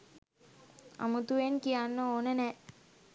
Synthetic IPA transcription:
a̰mut̪uʋenkijanːəoːnənɛ

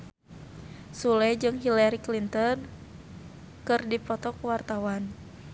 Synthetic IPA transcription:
sulɛd͡ʒɨŋɦilaɾiklint̪ɔn | kɨrdipɔt̪ɔkuwart̪awan

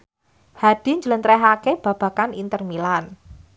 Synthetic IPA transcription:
had̥i̤ɲd͡ʒələnt̪ɾɛɦakeb̥a̤b̥a̤kanint̪ərmilan

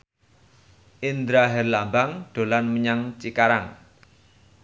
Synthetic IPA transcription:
ʔind̪ɾaɦɛrlambaŋɖ̪̥o̤lanməɲaŋt͡ʃikaɾaŋ

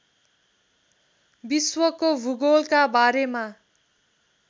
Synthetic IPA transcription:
biswʌkobʱuɡolkabaɾema

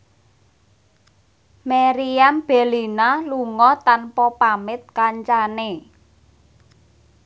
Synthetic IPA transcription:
meɾiamb̥elinaluŋɔt̪anpɔpamɪt̪̚kaɲt͡ʃane

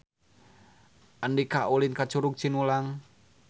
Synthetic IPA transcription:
ʔəndikaʔulinkat͡ʃuɾuk̚t͡ʃinulaŋ

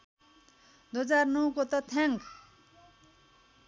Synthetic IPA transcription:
d̪uʌd͡zarnʌwkot̪ʌt̪ʰaŋk

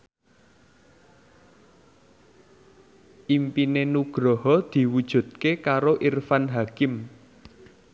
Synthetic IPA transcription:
ʔimpinenuɡ̥ɾɔɦɔd̪̥i̤wud̥ʒ̥ṳt̪̚kekaɾoʔirfanɦakɪm

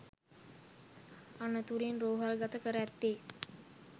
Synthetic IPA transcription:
anət̪uɾinroːɦalɡat̪əkəɾæt̪ːeː

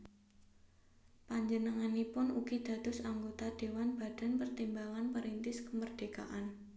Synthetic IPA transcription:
paɲd͡ʒənəŋanipʊnuɡ̥id̪̥ä̤d̪̥ʊsaŋɡot̪ad̥ewanb̥a̤d̥a̤npərt̪imbaŋanpəɾint̪ɪskəmərd̥eka̰ʔan

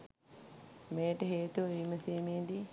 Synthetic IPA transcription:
meːʈəɦeːt̪uʋəʋiːməsiːmeːd̪i

